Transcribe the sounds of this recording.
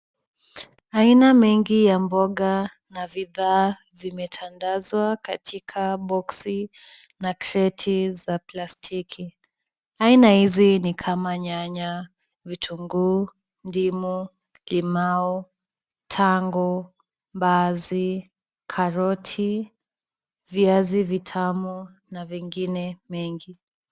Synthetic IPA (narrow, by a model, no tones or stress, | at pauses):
ainamɛŋɡijambɔɠa | naviðaː | vimɛtʰandazwaka̰tʰikʰaɓɔksi | nakɾɛtʰizaplastʰikʰi | ainahizinikʰamaɲaɲa | vitʰuŋɡuː | ndimu | limaɔ | tʰaŋɡɔ | mbazi | kʰaɾɔtʰi | viazivitʰamu | naviŋɡinɛmɛŋɡi